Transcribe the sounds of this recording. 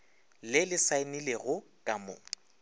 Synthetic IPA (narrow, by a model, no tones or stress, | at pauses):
lɪlɪsaɪnileɣʊkʼamʊ̰